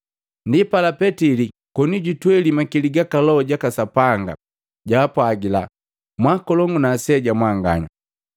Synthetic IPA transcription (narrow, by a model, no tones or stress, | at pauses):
ndipalapɛtili | kɔniɟutwɛlimakiliɡakalɔɔɟakasapaŋɡa̰ | ɟaːpwaɡila̰ | mwakɔlɔŋɡunasɛɟamwaŋɡa̰ɲa̰